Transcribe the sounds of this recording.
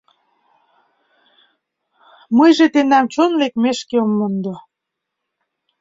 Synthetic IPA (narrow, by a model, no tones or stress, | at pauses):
mɤjʒet̪end̪æmt͡ɕonlekmeʃkeomːond̪o